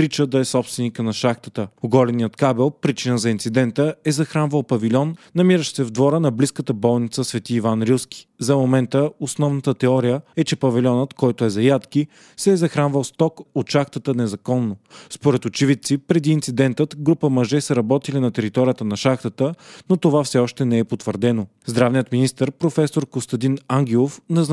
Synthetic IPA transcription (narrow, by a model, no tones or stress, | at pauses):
ɾit͡ʃəd̪ɐɛsɔpst̪vɛnikənɐʃaxt̪ət̪əoɡɔlɛnijət̪kabɛlˠpɾit͡ʃinəzɐint̪sid̪ɛnt̪əɛzɐxɾanvəlˠpɐvilʲɔnːɐmiɾəʃsɛvd̪vɔɾənɐbliskət̪əbɔlˠnit̪səsvɛt̪iːvanɾuskʲi̥zɐmomɛnt̪əosnɔvnət̪ət̪ɛɔɾijəɛt͡ʃɛpɐvɛlʲɔnət̪kɔjt̪oɛzɐjat̪ki | sɛːzɐxɾanvəlˠst̪ɔkot̪ʃaxt̪ət̪ənɛzɐkɔnːospoɾɛt̪ʊt͡ʃivit̪sipɾɛd̪iːnt̪sid̪ɛnt̪ət̪ɡɾupəmɐʒɛsəɾɐbɔt̪ilinɐt̪ɛɾit̪ɔɾijət̪ənɐʃaxt̪ət̪ənot̪ovafsɛɔʃt̪ɛnɛɛpot̪vəɾd̪ɛno | zd̪ɾavnijət̪minist̪əɾpɾofɛsoɾkost̪ɐd̪inaŋɡ̟ʲɛlˠofnɛz